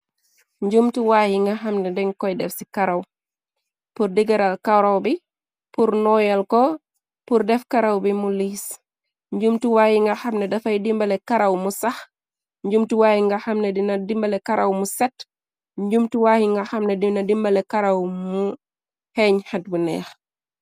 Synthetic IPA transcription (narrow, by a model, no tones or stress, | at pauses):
ɲd͡ʒumtuwaːhiŋɡaxɐmnɛdɛŋkɔjdɛfsikɐɾɐw | purdiɡɐɾalkawɾawbi | puɾnɔːjɐlkɔ | puɾdɛfkɐɾawbimuliːs | ɲɟumtuwaːjiŋɡɐxɐmnɛdɐfɐjdimbɐlɛkɐɾɐwmusɐx | ɲɟumtuwaːhiŋɡɐxɐmnɛdinɐdimbɐlɛkɐɾɐwmusɛt | ɲɟumtuwaːhiŋɡɐxɐmnɛdinɐdimbɐlɛkɐɾɐwmu | hɛɲhɐt̚bunɛ̰ːx